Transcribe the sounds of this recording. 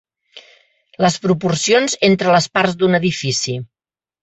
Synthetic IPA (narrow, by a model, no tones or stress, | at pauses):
ləspɾupursionzent̪ɾələspaɾzd̪unəðifisi